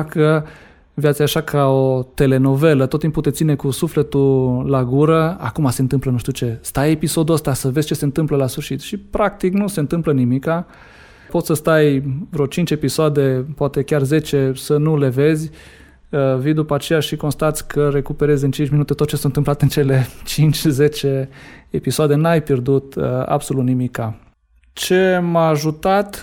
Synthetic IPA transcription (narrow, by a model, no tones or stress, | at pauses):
kə | vjat̪siaʃakʰao̞t̪e̞le̞no̞ve̞lət̪ot̪ːimpːut̪eine̞kusufle̞t̪ulaɡuɾəa̰kumase̞ɨnt̪ɨmplənuʃt̪iut͡ʃe̞st̪aje̞piso̞d̪uəst̪asəve̞z̥ʲt͡ʃe̞se̞ɨnt̪ɨmpləlasfɨrʃit̪ʃipɾak̚t̪iknuse̞nt̪ɨmplənimika | po̞t̪sʲsəst̪ajvɾot͡ʃint͡ʃe̞pisoad̪e̞poat̪e̞kʲarze̞t͡ʃe̞sənule̞ve̞zʲ | vijd̪upaːt͡ʃe̞jaʃiko̞nst̪at̪sʲkʰəɾe̞kupe̞ɾe̞zʲɨnt͡ʃint͡ʃʲminut̪et̪ot̪̚t͡ʃesunɨmplat̪eɨnt͡ʃe̞le̞t͡ʃint͡ʃʲze̞t͡ʃe̞episoad̪e̞najpʲje̞rd̪ut̪a̰bso̞lut̪nimika | t͡ʃe̞maːʒut̪at̪